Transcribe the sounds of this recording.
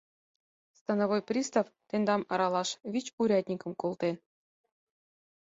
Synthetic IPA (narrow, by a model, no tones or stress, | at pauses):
st̪ɑnŏvojprʲist̪ɑft̪end̪ɑmɑ̰ɾɑlˠɑʃvʲit͡ɕuɾʲɑt̪ʲnʲikɤ̆mkolˠt̪en